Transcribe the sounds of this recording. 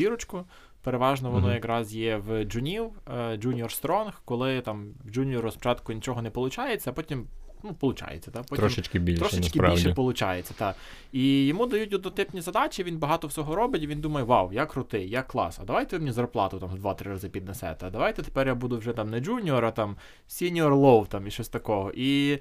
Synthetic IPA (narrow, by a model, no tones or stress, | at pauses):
dʲiɾɔt͡ʃkʊ | peɾeʋɑʒnɔʋɔnɔjɐkrɑzjɛwd͡ʒʊnʲiwd͡ʒunʲɔrst̪ɾɔnxkɔlˠɪt̪ɑmd͡ʒunʲiɔɾʊspɔ̥t͡ʃɑt̪kʊnʲit͡ʃɔɦɔnɛpɔlˠʊt͡ʃɑjet͡sʲːɐɐpɔtʲimnupɔlˠʊt͡ʃɑ̰jḛt͡sʲːɐ̥t̪ɑpɔt̪ʲɔmɪt͡ʃkɪbʲiɾɔʃɪt͡ʃskɪilʃɛpɔlˠʊt͡ʃɑ̰jet͡sʲːɐt̪ɑ | ijɔmud̪ɐjut̪ʲʊd̪ɔt̪ɪpnʲizɐd̪ɑt͡ʃiʋinbɐɦɑt̪ɔwsʲɔɦɔɾɔbɪtʲiʋʲind̪umɐjɛʋɑwjakɾʊt̪ɪjjɐkːlˠɑ̰sɐ̰d̪ɐʋajt̪ɛʋɪmenʲizɐrplˠɑ̰t̪ʊt̪ɑmd̪ʋɑt̪ɾɪɾɐzɪpʲid̪̚nɛsɛ̰t̪ɛɐd̪ɐʋɑjt̪ɛt̪e̥pɛrjabud̪ʊwʒɛt̪ɑmnɛd͡ʒunʲiɔɾɐt̪ɑm | sʲinʲiɔrlˠɔwt̪ɑmiʃɔsʲt̪ɐkɔɦɔʔi